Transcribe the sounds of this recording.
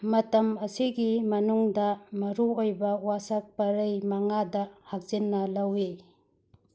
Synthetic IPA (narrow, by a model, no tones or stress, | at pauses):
mɐtɐmɐsiɡimɐnuŋdɐmɐɾuojbɐwasɐk̚pɐɾɐjmɐŋadɐhak̚z̥inːɐlɐwi